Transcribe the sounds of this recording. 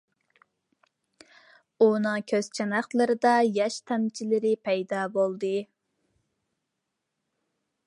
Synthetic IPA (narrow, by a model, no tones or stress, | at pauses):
unɨŋkʲʰøz̥t͡ʃʰɛnɑχt̪lˠɨɾɨd̪ɑjɑʃt̪ʰɛmt͡ʃʰilɪɾɪpʰɛjd̪ɑbolˠd̪ɨ